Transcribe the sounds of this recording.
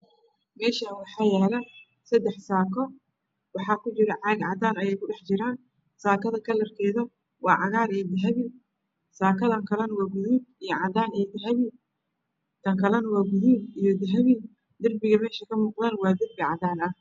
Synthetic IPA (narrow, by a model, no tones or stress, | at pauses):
mɛːʃɐwɑħɑːjɛːlɐ | sɐd̪ɛħsaːkʰɔ | wɑħɑːkʰʊt͡ʃɪɾɐʕɑɡʕɑd̪aːnɐjɛjkʰʊɖɛħt͡ʃɪɾaːn | saːkʰɐðɐkʰɐlɐrkʰɛːðɐ | wɑːʕɑɣaːɾɛːd̪ɐɦɐβi | saːkʰɐðɐŋkʰɐlɐnwɑːɡʊðuːb̚ijɞʕɑd̪aːnɛd̪ɐɦɐβɪ | t̪ʰɐŋkʰɐlɐnwɑːɡʊðuːbijɞd̪ɐɦɐβi | d̪ɐrbɪɣɐmɛːʃɐkʰɐmuːqðaːnwɑːd̪ɐrbɪʕɑðaːnɐ